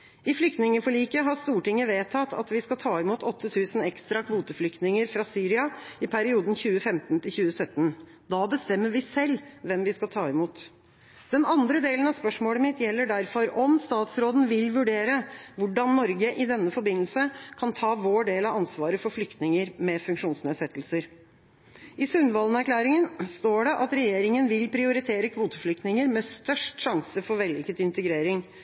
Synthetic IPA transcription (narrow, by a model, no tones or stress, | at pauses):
ɪflʏk̚t̪nɪŋəfɔɭiːkəɦɑst̪uːʈɪŋːəʋeːt̪ʰɑt̪ːʰɑ̰t̪ʋɪskɑlt̪ʰɑːɪmuːt̪ʰɔt̪ʰːət̪ʰʉːsn̩ɛkst̪ɾɑkʰʋuːt̪əflʏkt̪nɪŋəɾfɾɑsyːɾɪɑɪpʰæɾɪuːd̪n̩çʉːəfɛmt̪n̩t̪ʰɪlçʉːəsœt̪ːən | d̪ɑbəst̪ɛmːəɾʋɪsɛlːʋɛmʋɪskɑlt̪ʰɑːɪmuːt̪ | d̪̥ɛnɑnd̪ɾəd̪eːlən̩ɑspœʂmoːləmɪt̪jɛlːəɖæɾfɔɾɔmst̪ɑːt̪sɾoːd̪n̩ʋɪlʋʉɖeːɾəʋʊɖɑnnɔɾɡəʔɪd̪ɛnːəfɔɾbɪnːəlsəkʰɑnt̪ʰɑːʋoːɖeːlɑɑnsʋɑːɾəfɔɾflʏkt̪nɪŋəɾmɛfʉŋkʂuːnsneːd̪sɛt̪ːl̩səɾ | ɪsʉnʋɑːlnæɾkʰlæːɾɪŋənst̪oːɖɛʔɑt̪ɾɛjeːɾɪŋənʋɪlpʰɾɪʊɾɪt̪ʰeːɾəkʰʋuːt̪əflʏk̚t̪nɪŋəɾmɛst̪œʂʈʂɑŋsəfɔɾʋɛlɪkət̪ɪnt̪əɡɾeːɾɪŋ